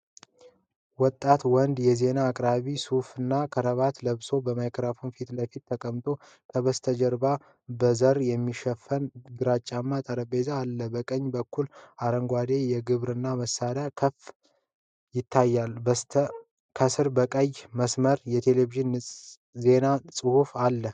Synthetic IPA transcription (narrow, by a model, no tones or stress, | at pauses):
wɔt̪ʼːat̪wɔnd̪jɛze̞naːkʼɾaβisufɨnːakʰəɾəβat̪ləβso̞bəmajkʰɾafunfit̪ləfit̪ʰːəkʼəmt̪ʼo̞ | kʰəβəst̪ʰəd͡ʒəɾba | bəzəɾjɛmːiʃɛfːənɡɨɾat͡ʃʼːamːat̪ʼəɾəbe̞zaːlːəbəkʼəɲːbəkːulaɾəŋɡʷad̪e̞jɛɡɨβɾɨnːaməsːaɾakʰəf | jɪt̪ʰːajːal | kʰəsɨɾbəkʼəjməsməɾjɛt̪ʰe̞leviʒɪnː | ze̞nasʼɨhufalːə